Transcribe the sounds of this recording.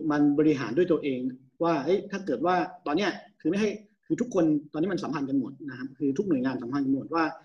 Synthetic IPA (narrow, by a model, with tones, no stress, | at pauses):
ma˧nbɔː˧ɾi˧ɦa̰ː˩˦ndu˥˩jt̪ʔeː˧ŋ | waː˥˩ʔɤ˦˥jt̪ʰaː˥˩kɤː˨˩t̪̚waː˥˩t̪ɔː˧nːi˦˥˩ɐ˨kʰɯː˧ma˥˩jɦa˥˩j | kʰɯː˧t̪ʰu˦˥kʰːo˧nt̪ɔː˧niː˦˥˩ma˧sa˩˦pʰa˧nka˧nmo˨˩t̪̚na˦˥kʰa˦˥p̚kʰɯː˧t̪ʰu˦˥k̚nu˨˩əjŋaː˧nsa˨˩˦mpʰa˧nka˧nmo˨˩t̪̚waː˥˩